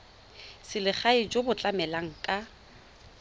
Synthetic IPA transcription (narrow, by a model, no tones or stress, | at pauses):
sɪlɪχaɪd͡ʒobʊt͡ɬʼamɛlaŋ̩kʼa